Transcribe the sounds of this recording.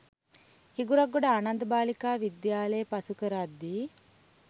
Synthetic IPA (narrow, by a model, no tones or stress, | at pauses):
hiɡuɾɐɡːuɽɐaːnɐnd̪ɐbaːlikaːʋid̪jaːlɐjɐpɐsukɐɾaːd̪ːi